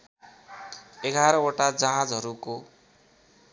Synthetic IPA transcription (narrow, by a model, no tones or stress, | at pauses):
eɡʱaɾʌoʈad͡zaɦãd͡zɦʌɾuko